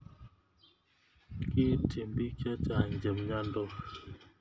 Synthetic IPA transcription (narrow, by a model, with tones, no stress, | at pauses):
kɪ˦tʰi˨mbi˦ka˦t͡ʃa˨ɲd͡ʒə˨mɲa˦ndɔ˦k